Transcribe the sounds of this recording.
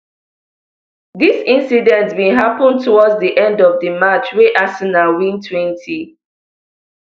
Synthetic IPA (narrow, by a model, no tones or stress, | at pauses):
ðisĩnsidɛ̃ntmeɦapə̃ntʰɔwɔdzdiʔɛ̃ndɔvdəmat͡ʃweʔasinawĩntʰwɛ̃ntʰi